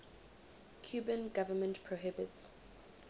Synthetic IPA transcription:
kʰjuːbə̃nɡavəmə̃ntpʰɹoɦɪbɪts

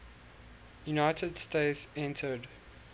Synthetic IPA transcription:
junaɪtʰədsteɪtsɛ̃ntʰəd

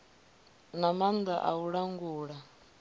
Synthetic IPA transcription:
namand̪aʔa̰uɺaŋɡuːɺa

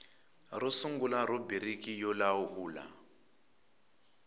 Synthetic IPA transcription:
rusuŋɡulaɾubiɾikijɔlauhuːla̰

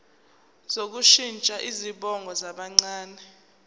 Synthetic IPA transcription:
zok̬uʃint͡ʃʼaʔiziɓɔŋɡʱɔzaɓaŋ͡ǀaːnɛ

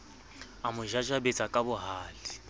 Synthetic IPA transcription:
amʊʒaʒabet͡sʼakʼabʊɦaːlɪ

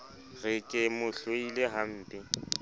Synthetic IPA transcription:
rɪkʼɪmʊɬoileɦan̩ːtʼɪ

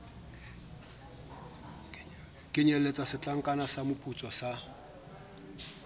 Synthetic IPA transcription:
kʼɪɲɛlet͡sʼasɪt͡ɬʼaŋ̩kʼanasamʊpʼut͡sʼɔsa

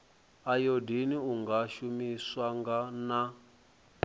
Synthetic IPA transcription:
ajodiniuŋɡaʃumiswaŋɡana

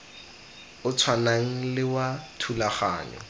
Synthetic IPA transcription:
ʊt͡sʰwanaŋ̩lɪwatʰulaχa̰ːɲɔ̰

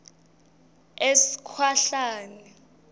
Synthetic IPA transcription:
esi̥kʰwaɬaːnɛ

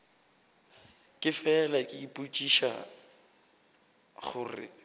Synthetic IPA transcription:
kʼɪfɛlakʼɪipʼut͡ʃʼiʃa̰ | χʊːrɪ̰

